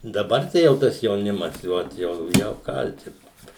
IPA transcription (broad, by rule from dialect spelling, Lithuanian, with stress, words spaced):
dɐˈbɐr ˈtɐɪ jɛʊ ˈtɐs jɛʊˈnʲɪmɐs ɪ ˈoːt jɛʊ ˈjɛʊ ˈkɐlʲtʲɪnʊ